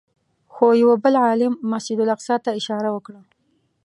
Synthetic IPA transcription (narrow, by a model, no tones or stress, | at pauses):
xojawabəlʕɑlɪmːasɪd̪ʊlaqsɑt̪aɪʃɑɾawəkɽa